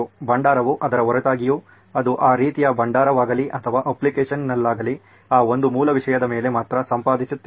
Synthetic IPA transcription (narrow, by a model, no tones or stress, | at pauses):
bɐɳɖaːɾɐʋuʔɐd̪ɐɾɐɦɐɾɐt̪aːɡiju | ɐd̪uʔaːɾiːt̪ijɐbɐɳɖaːɾɐʋaːɡɐliʔɐt̪ʰɐʋaːʔɐplikeːʂɐnnɐlːaːɡɐli | aːo̞nd̪umuːlɐʋiʂɐjɐd̪ɐme̞ːle̞maːt̪ɾɐsɐmpaːd̪isut̪ːe